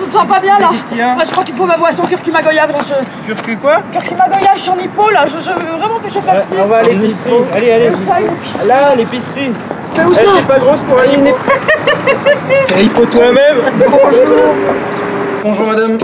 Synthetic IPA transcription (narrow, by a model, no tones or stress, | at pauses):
ʒəsɑ̃pabjɛ̃lãbaʒəkχwakilfomavwasɔ̃k̬œʁkimaɡɔjavkɔ̃sət̪yʁkykwakʲɛʁkʲimaɡɔjavsɑ̃nipolaʒəʒəvevʁɛmɑ̃peʃepat̪iɔ̃vaːleisialealesaeepislalepisχi | kɛosɛiɛpaɡʁospuai | ʁipot̪wamɛm | mɔ̃ | bɔ̃ʒuʁmad̪am